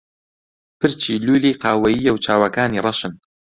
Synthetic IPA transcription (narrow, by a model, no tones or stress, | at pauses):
pʰɨɾt͡ʃʰiːluːliːqʰɑːwɐjijawt͡ʃʰaːwɐkaːnirˤɑʃɨn